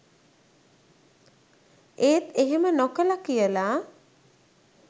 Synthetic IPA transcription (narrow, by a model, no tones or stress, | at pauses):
eːt̪eɦemənokəlakijəlaː